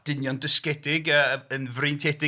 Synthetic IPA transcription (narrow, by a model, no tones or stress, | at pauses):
d̥ɪnjɔndəskɛdɪɡəənvrɨntʰɛdɪ